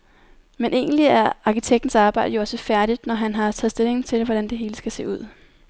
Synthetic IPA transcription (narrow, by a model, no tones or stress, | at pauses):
menʔe̝̰ːn̩liæɐɑ̈kʰit͡sʰeɡ̥̚d̥n̩sɑ̈ːb̥ɑ̈ɪ̰dəjo̝ɒ̽səfæɐɾ̥id̥nɒɦænɦɑ̈t͡sʰɛ̰ːðˠsd̥e̝le̝ŋn̩t͡sʰe̝lʋɒɾænd̥e̝ɦe̝ːləsɡ̥æse̝̰ːuð̰ˠ